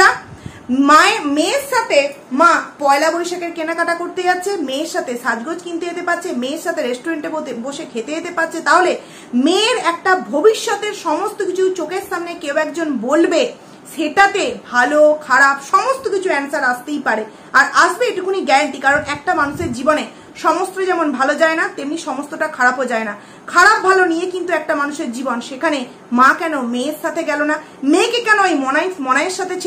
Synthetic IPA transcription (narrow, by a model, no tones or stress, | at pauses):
a | maemeɾʃat̪ʰemãpɔelabojʃakeɾkenakaʈakoɾt̪ed͡ʑatːɕʰemẽɾʃat̪ʰeʃad͡ʑɡod͡ʑkint̪ejet̪epaɾt͡ɕʰemẽɾʃat̪ʰeɾesʈoɾeɳʈeboboʃekʰet̪ejet̪epaɾt͡ɕʰet̪aɦole | meɾɛk̚ʈabʱobiʃːot̪eɾʃɔmost̪okit͡ɕʰut͡ɕokeɾsamnekewɛkd͡ʑonbolbe | ʃeʈat̪ebʱalokʰaɾapʃɔmost̪okit͡ɕʰuɛnsaɾast̪ejpaɾe | aɾaʃbeeʈikʰuniɡɛeɳʈikaɾonɛk̚ʈamanuʃeɾd͡ʑibone | ʃɔmost̪ɾod͡ʑɛmonbʱalod͡ʑaenat̪emniʃɔmost̪oʈakʰaɾapɦod͡ʑaena | kʰaɾap̚bʱalonijekint̪uɛk̚ʈamanuʃeɾd͡ʑibonʃekʰane | mãkɛnomeɾʃat̪ʰeɡɛlona | mekekɛnoejmɔnaemɔnaeɾʃat̪ʰet͡ɕʰ